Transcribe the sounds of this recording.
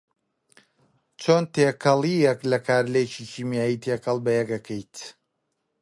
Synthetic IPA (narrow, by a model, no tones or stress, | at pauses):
t͡ʃʰoːnt̪eːkʰɐlˠijɛklɐkʰaːɾlet͡ʃicʰiːmjaːjit̪ʰeːkɐlˠbɐjɛɡɐkʰɛjt̪